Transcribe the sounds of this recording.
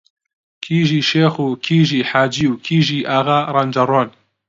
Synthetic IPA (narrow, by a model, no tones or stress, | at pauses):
kʰiːʒiːʃeːxuːkʰiːʒiːħaːd͡ʒiwkʰiːʒiːʔaːɣaɾand͡ʒɐɾon